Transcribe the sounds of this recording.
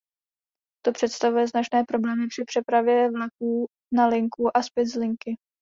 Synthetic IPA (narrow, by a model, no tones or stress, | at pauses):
t̪o̞pr̝̥ɛt̪st̪avujɛznat͡ʃnɛːpɾo̞blɛːmɪpr̥ɪpr̥ɛpɾavjɛvlak̚uː | nalɪŋkuʔaspɪzlɪŋkɪ